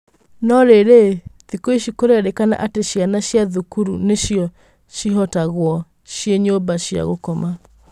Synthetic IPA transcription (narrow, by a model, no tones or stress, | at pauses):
nɔɾeɾeðikoiʃikoɾeaɾekana̰ʔateʃianaɕjaðukuɾuneʃijɔ | ʃiɦɔtaɣwɔ | ʃieɲobaʃja̰ɣo̰kɔma